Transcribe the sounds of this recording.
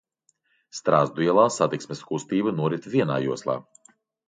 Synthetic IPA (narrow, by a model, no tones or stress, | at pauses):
st̪ɾaːzd̪uiɛlˠaːsat̪iksmʲɛskust̪iːbɨnuɔɾit̪vʲiɛna̰ːjuɔslˠa̰ː